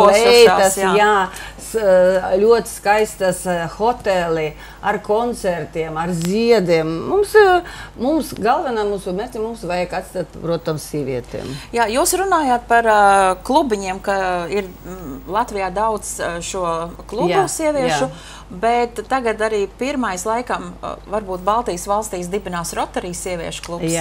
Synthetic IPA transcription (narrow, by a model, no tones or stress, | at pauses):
pusaɛaːasjajaːslʲuɔt̪skajst̪asxɔt̪ɛlʲˠi | aɾkɔnt̪sɛɾt̪iɛmaɾzʲiɛd̪iɛmːumsmumsɡalˠʋɛnaːmuːsumʲɛɾt̪ʲimumsʋajakat̪st̪aːt̪̚ppɾuɔt̪amsʲiɛʋʲḭɛt̪ḛːmjaːjuːsɾunaːjaːt̪̚paɾklˠubiɲiɛmkaiɾlˠat̪ʋijaːd̪awt̪sʃuɔklˠubusiɛʋʲiɛʃu | bɛt̪ːaɡat̪aɾiːpiɾmajslˠajkamvaɾbuːt̪̚balˠt̪ijsʋalˠst̪iːs̬d̪ibinaːsɾɔt̪ːɛɾiːsːiɛʋʲiɛʃʊ̥klˠups